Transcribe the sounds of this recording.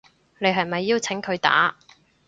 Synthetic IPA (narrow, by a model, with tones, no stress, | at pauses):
ne˨˧jɦɐ˨jmɐ˨jːi˥˧wt͡sʰɪ˨˥ŋkʰɵ˨˧ɥt̪a̰ː˨˥